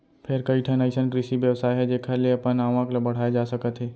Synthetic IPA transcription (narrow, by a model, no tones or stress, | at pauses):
pʰɪɾkɐiʈʰɛnaisənkɾɪʃiʋjɐʋsaːjɦɛd͡ʒeːkʰəɾleɐpənaːʋãklbɐɽ̤aːjed͡ʒaːsɐkət̪ɦɛː